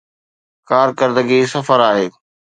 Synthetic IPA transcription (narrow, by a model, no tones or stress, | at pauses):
kaːɾkɐɾd̪əɡisɐfəɾaːɦeː